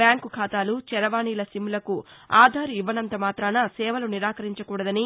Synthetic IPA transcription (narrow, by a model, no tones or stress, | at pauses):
bjaːŋkukʰaːt̪aːlut͡ʃɛɾɐʋaːniːlɐsimːulɐkuaːd̪ʱaːɾiiʋɐnɐnt̪ɐmaːt̪ɾaːnɐsɛːʋɐluniɾaːkɐɾiɲt͡ʃɐkuːɽɐd̪ɐni